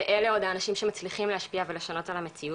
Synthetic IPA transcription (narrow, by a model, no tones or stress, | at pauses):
eʔeleo̞d̪aːnaʃimʃemat͡sliχimleɦaʃpiaveleʃano̞talame̞t͡siu